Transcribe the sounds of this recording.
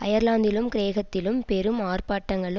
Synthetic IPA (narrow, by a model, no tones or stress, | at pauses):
ɐ̰jɐɾlaːnd̪ɪlɯmkɪɾeːɣɐt̪ːɪlɯmpɛɾɯmaːrpaːʈːɐŋɡɐɭɯ